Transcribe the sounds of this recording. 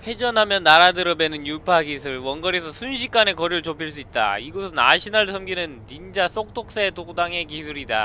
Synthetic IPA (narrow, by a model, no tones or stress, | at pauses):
ɸe̞d͡ʑʌnɦamjʌnːaɾadɯɾʌbe̞nɯnjupʰaɡisʰɯɭwʌnɡʌɾesʰʌsʰunɕʰik͈ane̞kʌɾuɯɭt͡ɕopʰiɭs͈uit̚t͈a̰iɡosʰʌna̰ɕʰinaɭsʰʌmɡinɯntind͡ʑas͈ok̚t͈ok̚s͈etokdaŋe̞kisʰuɾida̰